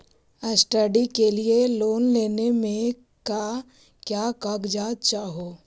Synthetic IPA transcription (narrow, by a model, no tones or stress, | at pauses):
əsʈəɖikelieloːnleːnemẽ | ka | kjaːkaːɡd͡ʒaːt̪̚t͡ʃaːɦoː